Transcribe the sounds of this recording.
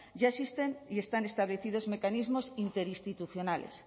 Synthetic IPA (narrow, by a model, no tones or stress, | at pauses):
ʝaesist̪enie̞st̪anest̪aβleθið̞ozmekanizmosint̪eɾist̪it̪uθjonalḛs